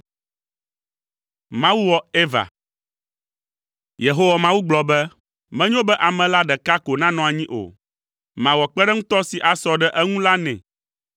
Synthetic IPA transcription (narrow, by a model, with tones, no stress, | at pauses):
mã˦wu˦wɔ˨e˦va̰˨ | je˨ɦo˦wa˨mã˦wu˦ɡ͡blɔ˨bɛ˦ | mɛ̃˦ɲõ˦bɛ˦ʔa˨mɛ̃˨la˦ɖɛ˨ka˦ko˨nã˦nɔ̃˨a˨ɲĩ˦ʔo̰˨ | mã˨wɔ˨k͡pɛ˦ɖɛ˦ŋ̩̃˦t̪ɔ˦si˨ʔa˨sɔ˨ɖɛ˦ʔɛ˦ŋũ˦la˦nɛ̰̃˨